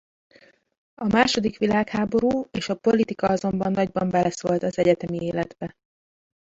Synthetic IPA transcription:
ɒmaːʃo̞d̪ikʋilaːkhaːbo̞ɾuːeːʃɒpo̞lit̪ikɒɒzo̞mbɒnːɒɟbɒmbɛlɛsoːlt̪ɒzɛɟɛt̪ɛmieːlɛd̪bɛ

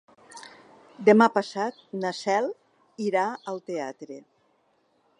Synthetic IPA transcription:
d̪əmapasat̪̚nasɛlˠ | iɾaəlˠt̪ea̰t̪ɾe

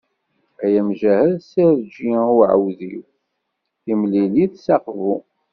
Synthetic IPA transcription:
æjæmʒæhæðsiɾd͡ʒiuʕə̰wðiw | imliliðsɑqvu

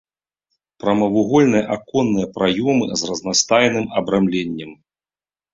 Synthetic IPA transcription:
pɾɐmɐvuɣɔlʲnɨjɐʔakɔnːɨjɐpɾajɔmɨ̰zrɐznast̪ajnɨmɐbɾamlʲɛnʲːɛm

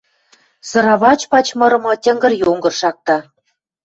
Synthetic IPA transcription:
sɤ̆ɾɑβɑt͡ɕpɑt͡ɕmɤ̆ɾɤ̆mɤ̆tʲɘ̆ŋɡɘ̆rjoŋɡɤ̆rʃɑk̚t̪ɑ

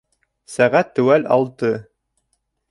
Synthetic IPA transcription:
sæʁæt̪ːʉwælɑ̰lˠt̪ɤ

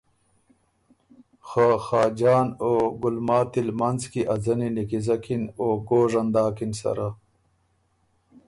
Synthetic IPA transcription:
xaxaːd͡ʑaːnoːɡulmaːt̪ilmɐnzkiʔazɐninikizɐkinoːɡoːʐɐnd̪aːkinsɐ̰ɾa

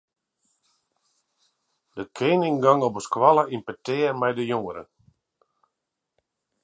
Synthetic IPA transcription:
d̥əkʰeːnɪŋɡaŋɔpəskwaləinpətɪːərmɛjdəjoŋəɾə̰

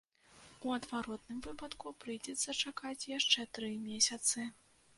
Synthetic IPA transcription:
uɐd̪vaɾɔt̪nɨmvɨpɐt̪kupɾɨjd͡zʲɛt̪sːɐt͡ʂakat͡sʲjaʂt͡ʂɛt̪ɾɨmʲesʲɐt̪sɨ

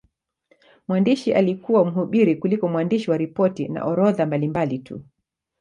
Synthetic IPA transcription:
mwandiʃiʔalikuwam̩ɦuɓiɾikulikɔmwandiʃiwaɾipɔtina̰ʔɔɾɔðambalimbalitʰṵ

